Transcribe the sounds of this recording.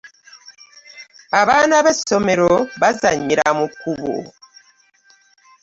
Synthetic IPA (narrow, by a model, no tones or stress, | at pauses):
aβaːnaβesomeɾoβazaɲiɾa̰mukuβo̰